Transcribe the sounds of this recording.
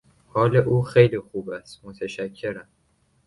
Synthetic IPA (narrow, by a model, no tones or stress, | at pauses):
hɒːleʔuːxejliːxuːbæst̪mot̪ʰæʃækʰːe̞ɾæm